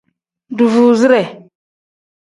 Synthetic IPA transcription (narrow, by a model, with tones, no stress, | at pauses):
du˨vu˨zi˦ɾɛ˨